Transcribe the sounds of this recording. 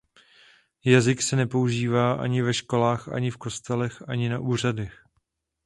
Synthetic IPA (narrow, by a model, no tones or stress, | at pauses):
jazɪksɛnɛpo̞uʒiːvaːʔa̰ɲɪvɛʃko̞laːxʔa̰ɲɪfko̞st̪ɛlɛxʔaɲɪnaʔuːr̝adɛx